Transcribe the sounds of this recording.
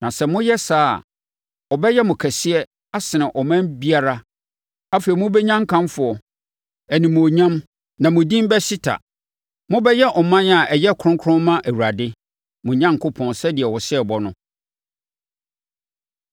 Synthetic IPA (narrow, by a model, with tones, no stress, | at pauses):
nã˨sɛ˨mʊ̃˦jɛ˦sa̰ː˦˨ | ɔ˨bɛ˦jɛ˦mʊ̃˨kʰæ˨sɪ˦ɛ˦ | a˦sɪ˨nɪ̃˨ʔɔ˨mã˦mbi˦a˨ɾa˦ | a˦fe˨i˨mʊ̃˦bɛ˦ɲã˦ŋ˦kʰã˦mfʊ˨ɔ˨ | æ˨nĩ˨m̃˨o˨ɲã˦m | nã˨mʊ̃˨dĩ˦m˦bɛ˦si˦tʰa̰˨ | mʊ̃˦bɛ˦jɛ˦ʔɔ˨mã˦n˦a˨ʔɛ˨jɛ˦kʰɾʊ̃˦ŋkʰʊ̃˦mmã˦ʔæ˨wu˨ɾa˨dɪ˦ | mʊ̃˨ɲã˦ŋ˨kʰʊ˦pʰɔ̃˨nsɛ˦dɪ˨ɛ˨wɔ˨sɪ˦ɛ˨bɔ˦nʊ̃˦